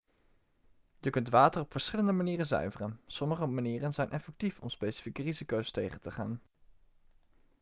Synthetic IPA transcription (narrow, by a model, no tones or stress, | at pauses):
jəkɵntʋaːtərɔpfəɹsχɪləndəmaniːrənzœ̰ɥvərənsɔməχəmaniːrənzɛjnʔɛfɛk̚tifɔmspejsi̥fikərizikowstejχəntəχa̰ːn